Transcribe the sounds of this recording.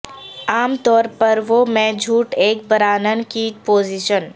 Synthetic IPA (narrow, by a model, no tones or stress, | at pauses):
aːmt̪ɔːɾpɐɾʋomɛ̃d͡ʒʱuːʈeːk̚bəɾaːnənkipoːziʃən